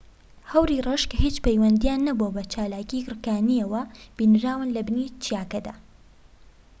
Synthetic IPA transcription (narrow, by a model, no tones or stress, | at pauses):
hɐwɾiːrɐʃkhiːt͡ʃpɐjwɐnd̪ijaːnːɐbobɐt͡ʃaːlaːciɡɾkaːnijɐwɐb̥iːnɾaːwɨnlɐbɨnit͡ʃʰijaːkɐd̪aː